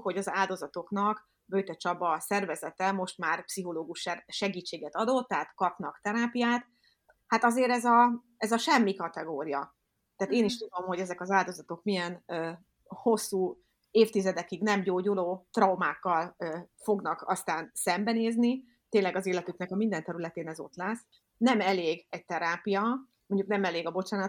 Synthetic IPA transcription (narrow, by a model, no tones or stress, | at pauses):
ho̞ɟɒzaːld̪o̞zɒt̪o̞knɒk | bøjt̪ɛt͡ʃɒbɒsɛrvɛzɛt̪ɛmo̞ʃt̪maːrpsiɦo̞loːɡuʃɛʃɛɡiːt͡ʃːeːɡɛt̪ɒd̪o̞t̪ːɛɦat̪kɒpnɒkt̪ɛɾaːpijaːt̪ | hat̪ɒzeːɾɛzɒ | ɛzɒʃɛmːikɒt̪ɛɡoːɾijɒ | t̪ɛaːt̪eːniʃt̪ud̪o̞mho̞ɟɛzɛkɒzaːld̪o̞zɒt̪o̞kmijɛnøː | ho̞sːuː | eːft̪izɛd̪ɛkiɡnɛmɟoːɟuloːt̪rɒwmaːkːɒløːfo̞ɡnɒkɒ̰st̪aːnsɛmbɛneːzni | t̪eːnlɛɡɒzeːlɛt̪yknɛkɒmind̪ɛnt̪ɛɾylɛt̪eːnɛzo̞̰t̪lɛs | nɛmɛleːɡɛc̚t̪ɛɾaːpijɒ | moɲɟuknɛmɛleːɡɒbo̞t͡ʃaːnɒ